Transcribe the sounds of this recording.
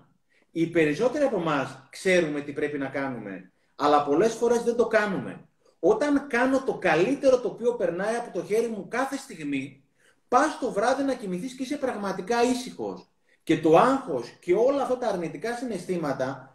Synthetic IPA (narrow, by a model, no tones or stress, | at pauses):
ipe̞ɾiso̞t̪e̞ɾiɐpo̞mɐskse̞ɾume̞t̪ipɾe̞pinɐkɐnume̞̰ | ɐlɐpo̞le̞sfo̞ɾe̞zðe̞nd̪o̞kɐnume̞̰ | o̞t̪ɐŋkɐno̞t̪o̞kɐlit̪e̞ɾo̞t̪o̞ːpio̞pe̞ɾnɐjɐpo̞t̪o̞çe̞ɾimukɐθe̞st̪iɣmi | pɐst̪o̞vɾɐðinɐcimiθiscise̞pɾɐɣmɐt̪ikɐisixo̞̰s | ce̞t̪o̞ɐŋxo̞sce̞o̞lɐːft̪ɐt̪ɐːɾnit̪ikɐsine̞st̪imɐt̪ɐ